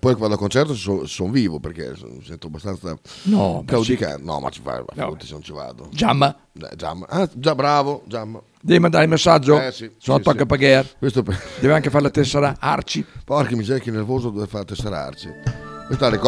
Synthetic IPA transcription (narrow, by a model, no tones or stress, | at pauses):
pɔjkevad̪akont͡ʃɛɾrt̪ossosonviːvopeɾkḛmisɛnt̪oabːast̪ant̪sanɔkawd̪ika̰nɔ̰ma̰t͡ʃi̥fa̰a̰funt̪isenont͡ʃiva̰ːd̪o̰d͡ʒamːa | ɛ̰d͡ʒa̰mːaad͡ʒabːɾaːvod͡ʒamːa | d̪ɛvimand̪aɾimesːad͡ʒːoɛsisonnat̪ɔkːapaɡɛɾkwest̪opd̪ɛːvaŋkefaɾlat̪ɛsːaɾaa̰ɾt͡ʃipɔaɾkimːid͡ʒɛɾkenːeɾvoːzod̪oveɾfaɾat̪ːɛsːaɾaa̰ɾt͡ʃikwest̪aɾikɔ